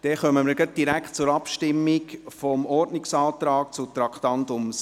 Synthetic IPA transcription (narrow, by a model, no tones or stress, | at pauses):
d̪̥ɛχœməməɾɡət̚d̥iɾækχt̚t͡sʊɾɑpʃtɪmːɪkfɔmɔɾdnɪksɑːt̪ɾɑːk̚t͡sʊt̪ɾɑkχt̪ɑnt̪ʊms